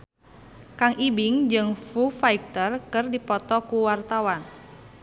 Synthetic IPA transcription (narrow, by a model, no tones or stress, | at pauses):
kaŋʔibiŋd͡ʒɨŋfufaik̚t̪ərkɨrdipɔt̪ɔkuwart̪awan